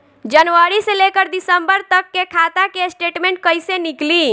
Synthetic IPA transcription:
d͡ʒənʋəɾiselekəɾd̪isəmbəɾt̪əkːekʰat̪akesʈeʈmẽɳʈ̚kəjsenikli

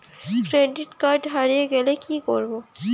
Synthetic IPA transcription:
kɾeɖiʈkaɾɖɦaɾieɡɛlekikoɾbo

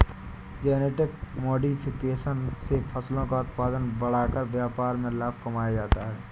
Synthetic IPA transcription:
d͡ʒɛːneːʈɪkmoːɖipʰɪkeːʃənsepʰəslõkaʊt̪paːd̪ənbɐɽ̤akəɾʋjaːpaːɾmẽlaːbkɐmaːjad͡ʒaːt̪aɦɛː

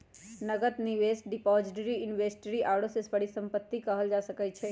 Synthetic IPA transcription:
nəɡət̪niʋesʈ̚ɖɪpɔd͡ʒɪʈəɾiɪnʋesʈəɾiʔaɽosesʋəɽisə̃mpət̪ːikəɦəld͡ʒasəkəjt͡ʃʰe

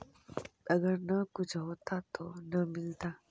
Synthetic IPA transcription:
əɡəɾnəkud͡ʒʰɦot̪at̪onəmilt̪a

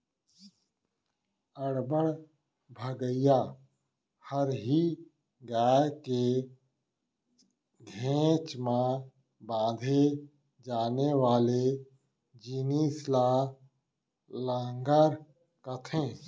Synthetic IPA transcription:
əɽbəɽ | bʱəɡəjaː | həɾɦi | ɡaːke | ɡʱẽːt͡ʃmã | bãːd̪ʱe | d͡ʒaːnewaːle | d͡ʒiːnisla | lãŋɡəɾ | kət̪ʰẽː

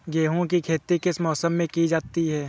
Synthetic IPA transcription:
ɡeːɦõkikʰeːt̪ikɪsmɔːsəmːẽkid͡ʒaːt̪iɦɛː

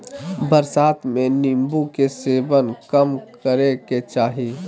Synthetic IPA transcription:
bəɾsaːt̪ʰmẽnimbukeseːbənkəmkəɾeket͡ʃaːɦi

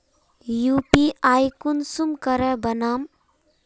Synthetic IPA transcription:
jupiajkunsumkəɾɛbənam

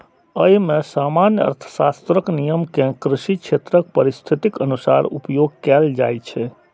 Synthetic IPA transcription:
əjmẽsamanjəə̰ɾt̪ʰə̥sast̪ɾəknijəmkẽkɾɪʃikʃʰet̪ɾək̚pəɾist̪ʰit̪ikənusa̰ɾṵpjoɡ̚kɛld͡ʒa̰jt͡ʃʰɛ

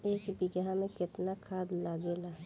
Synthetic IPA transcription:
eːkbɪɡamẽkɪt̪nakʰaːd̪laɡela

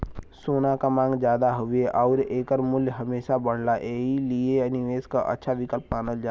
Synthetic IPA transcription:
soːnakamãːŋɡd͡ʒjaːd̪aɦʊʋeʔɔːɾeːkəɾmʊljɦɐmeːʃabəɽ̤laʔeːilieəniʋeːskaʔə̰tːʃʰaʋɪkəlpːaːnəld͡ʒaː

